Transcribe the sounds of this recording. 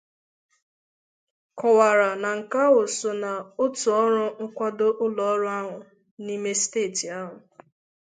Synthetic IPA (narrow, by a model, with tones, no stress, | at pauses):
kɔ˨wa˨ɾa˨na˨ŋ̩˨ka˦ʊ˨sʊ˨na˨o˦tu˨ɔ˦ɾʊ˦ŋ̩˦kʷa˦do˦ʔʊ˦lɔ˨ɔ˦ɾʊ˦a˦ɦʊ˨ | ni˦me˦steː˦˨ti˨a˦ɦʊ˨